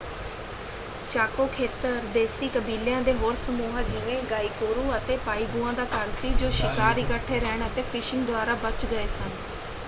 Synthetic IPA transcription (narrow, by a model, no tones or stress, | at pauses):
t͡ʃaːkoːkʰeːt̪əɾd̪eːsiːkəbiːljãːd̪eːʋoːɾsəmuːɦãːd͡ʒɪʋẽːɡaːiːkoːɾũːət̪eːpaːiːɡuːãːd̪aːkəɾsiːd͡ʒoːʃɪkaːɾɪkəʈʰːeːɾɛːɳət̪eːpʰɪʃɪŋɡd̪ʊaːɾaːbət͡ʃɡəeːsən